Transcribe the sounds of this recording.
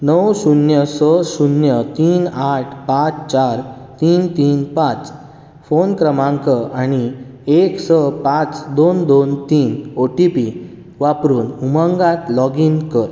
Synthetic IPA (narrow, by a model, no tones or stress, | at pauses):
nəwsunjəsəsunjət̪iːnaʈʰpãt͡st͡ɕaɾ | t̪iːnt̪iːnpãt͡s | fonkɾəmãŋkəaɽ̃ieksəpãt͡sd̪ond̪ont̪iːnoʈipi | ʋapɾuːnumãŋɡãt̪lɔɡinkəɾ